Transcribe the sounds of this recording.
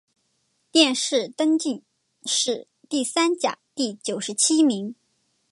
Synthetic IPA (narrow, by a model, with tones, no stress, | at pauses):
t̪jɛ˥˧nʂɻ̩˥˩t̪ə˥ŋt͡ɕy˥˧n | ʂɻ̩˥˧ | t̪i˥˩sa˥nt͡ɕja̰˨˩˦t̪i˥˩t͡ɕjo˨˩ʊʂɻ̩˧˥t͡ɕʰi˥mi˧˥ŋ